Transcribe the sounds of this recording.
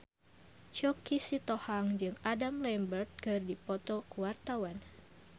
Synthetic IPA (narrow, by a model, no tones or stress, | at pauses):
t͡ʃɔkisit̪ɔhaŋd͡ʒɨŋadamlɛmbərt̪̚kɨrdipɔt̪ɔkuwart̪awan